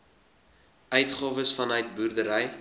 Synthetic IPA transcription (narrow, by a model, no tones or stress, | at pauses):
œɥtχɑːvəsfɐnœɥt̚burdəɾɛj